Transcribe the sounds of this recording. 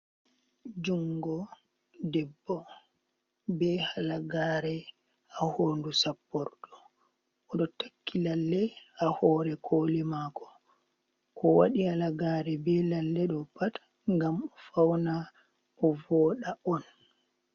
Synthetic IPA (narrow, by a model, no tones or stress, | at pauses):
d͡ʒuŋɡɔ | dɛbːɔ | bɛhalaɡaːɾɛ | ahondusapːɔɾɗɔ | ɔɗɔtakːilalːɛahɔːɾɛkʰoːlimakɔ̥ | kɔwa̰ɗialaɡaɾɛbɛlalːɛɗɔpatḁ | ŋɡamɔfawna | ʔɔvɔːɗaɔn